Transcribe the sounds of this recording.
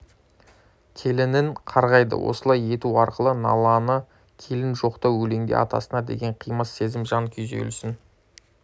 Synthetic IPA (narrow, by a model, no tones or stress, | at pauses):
kʲʰe̞lɪnɪɴqʰɑɾʁɑjd̪ə̰wʔo̞̰səlˠɑje̞t̪uɑɾqəlˠənɑ̰lˠɑnə | kʲʰe̞lɪnʒo̞qt̪ɑwɵle̞ŋd̪ḛʔɑ̰t̪ɑ̰sənɑd̪e̞̰ɡʲe̞ɴqʰijməsːe̞zɪmʒɑŋkʲʰʏzḛlsɪn